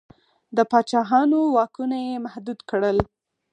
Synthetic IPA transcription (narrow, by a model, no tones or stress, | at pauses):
d̪əpɑt͡ʃɑɦɑnowɑkunajemahd̪ud̪kɽəl